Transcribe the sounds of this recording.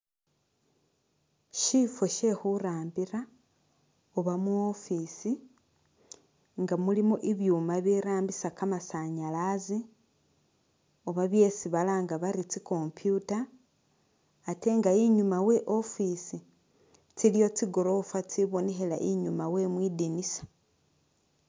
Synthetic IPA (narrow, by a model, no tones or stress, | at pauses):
ʃifo̞ʃe̞xuɾaːmbiɾa | oβamuofisi | ŋɡamulimoʔiβjuːmaβiɾaːmbisakamasaɲalazi | o̞βaβje̞siβalaːŋɡaβaɾit͡siko̞mpjuta | te̞ŋɡaiɲumawe̞ʔo̞fisi | t͡silijo̞t͡siɡo̞ɾo̞fat͡siβo̞neɦela̰ʔiɲumawe̞mwiːdinisḁ